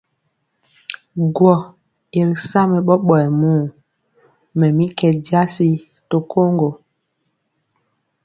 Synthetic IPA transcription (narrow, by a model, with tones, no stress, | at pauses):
ɡwɔ˨ | e˨ɾi˨sa˦mɛ˨ɓɔ˦ɓɔ˨ɛ˨muː˦˨ | mɛ˨mi˦kɛ˨di˦a˦si˦ | to˨kʰo˦ŋɡo˨